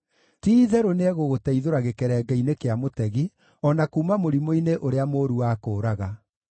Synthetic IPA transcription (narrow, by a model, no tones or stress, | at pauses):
tiːðɛɾoneɛɣoɣotɛiðoɾaɣekɛɾɛːɡɛinekeamotɛɣi | ɔnakuːmamoɾimoineʔoɾeamoːɾuwaːkoːɾaɣa